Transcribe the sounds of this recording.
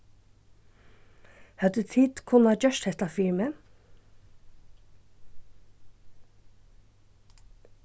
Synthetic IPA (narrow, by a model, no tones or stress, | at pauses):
hɑd̪ʉːt̪ʰiːd̪̥kʰʊnɑːd͡ʒœʃthɛt̪ɑfɪɹmə